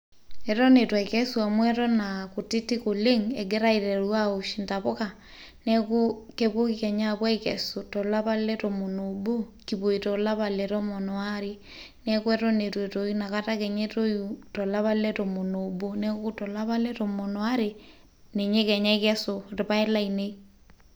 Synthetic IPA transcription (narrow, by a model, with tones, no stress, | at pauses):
ɛ˨tɔ˦ne˨twa˨kɛ˦sua˨mwɛ˦tɔ˦naku˨ti˦ti˦ko˨le˦ŋɛ˨ɡe˦ɾa˦i˨ɾɛ˨ɾwa˦o˨ʃi˨nta˨βo˦ka˨ | nɛ˦ko˦ke˦βo˦kikɛ˨ɲa˦pwa˦ikɛ̰˨so˨tɔ˨la˦βa˦lɛ˦to˨mo˨no˨bo˦ki˨βo˨i˨to˨la˦βa˨lɛ˨to˦mo˨nɔ˨a˦ɾi˦ | nɛ˦kwɛ˦tɔ˦ne˨twe˨to˨i˦na˨ka˦ta˦kɛ˨ɲe˦to˦ju˨tɔ˨la˦βa˦lɛ˦to˨mo˨no˨bo˦nɛ˦ku˦tɔ˨la˦βa˦lɛ˦to˨mo˨nɔ˨a˦ɾe˨ | ne˨ɲe˦kɛ˨ɲa˦ikɛ˦so˨rɪ˨pa˦e˦la˦i˨ne˦i˦